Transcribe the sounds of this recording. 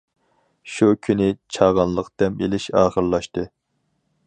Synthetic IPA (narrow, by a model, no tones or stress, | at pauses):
ʃukʲʰynɪt͡ʃʰɑʁɑnlˠəqd̪ɛmelɪʃɑːχəɾlˠɑʃt̪ɨ